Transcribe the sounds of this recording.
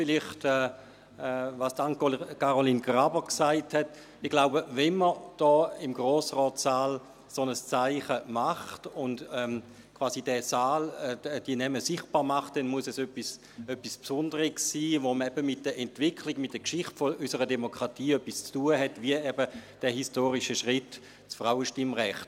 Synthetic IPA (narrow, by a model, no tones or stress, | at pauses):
fɪlɪχtɛː | ɛvaːsdaŋkaʁolinɡʁabəksaɪthɛt | ɪχɡ̥laʊbəvɛnməd̥ɔːɪmɡʁoːsʁɔːtsaːl | sonəst͡saɪχəmaχtʊndɛm | kʰvaːsid̥ɛsaːlɛd̥iənɛməsɪχt̚b̥aːʁmaχt̚d̥ɛnmuəsɛsøpːis | øpːispsʊndəʁiɡsːiːvoməɛbəmɪt̚d̥əɛntv̥ɪkʰliɡmɪt̚d̥ɛɐkʃɪχtfoʔysəʁədɛmokʰʁ̥atiːœpːist͡stuːəɦɛtviəɛbəd̥ɛhistoːʁiʃəʃʁɪt | t͡sfʁaʊəʃtɪmʁɛχt